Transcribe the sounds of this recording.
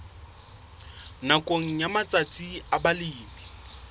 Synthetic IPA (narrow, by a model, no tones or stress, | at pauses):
nakʼoŋ̩jamat͡sʼat͡sʼiabaliːmi